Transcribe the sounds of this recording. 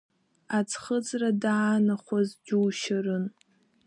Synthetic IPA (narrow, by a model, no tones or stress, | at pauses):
at͡sʰχət͡sʼradaːnaχʷazd͡ʒʲuwʃarɨn